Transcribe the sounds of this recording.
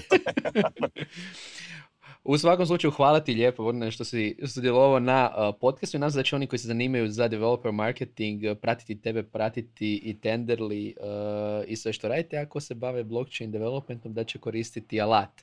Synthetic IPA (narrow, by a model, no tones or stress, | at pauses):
us̬ʋakomslut͡ʃajuxʋaːlˠat̪iʎʲepobneʃt̪osiosid̪jeloaonaəpo̞t̪̚kast̪uinasd̪at͡ɕeo̞nikoisezaniːmajuzad̪eʋelopeɾmaɾket̪iŋɡpɾat̪i̥t̪it̪e̞be̞pɾat̪it̪iit̪e̞nd̪eɾliəisʋe̞ʃt̪o̞ɾaːd̪it̪eako̞se̞baʋeblˠo̞kt͡ʃejnd̪eʋelˠopment̪o̞md̪at͡ʃe̞ko̞ɾist̪it̪ialˠat̪